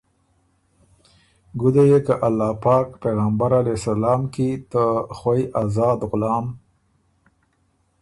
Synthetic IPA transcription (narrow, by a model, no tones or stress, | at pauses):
ɡud̪ajekaʔalːɑːpɑːkpeɣambaɾalesalɑːmkit̪əxwajʔazɑːd̪ɣʊlɑːm